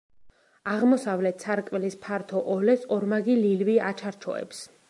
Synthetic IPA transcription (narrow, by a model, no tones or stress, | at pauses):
aʁmɔsavlɛt̪ʰsʰaɾkʼmɛlispʰaɾt̪ʰɔʔɔlɛsɔɾmaɡililviat͡ʃʰaɾt͡ʃʰɔ̰ɛ̰ps